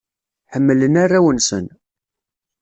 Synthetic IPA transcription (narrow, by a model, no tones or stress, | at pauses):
ħəmːlənarːæwənsə̰n